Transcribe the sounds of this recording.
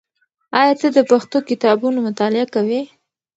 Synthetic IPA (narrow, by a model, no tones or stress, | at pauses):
ɑjɑt͡səd̪əpaxt̪okɪt̪ɑbunomʊt̪ɑlɪakawe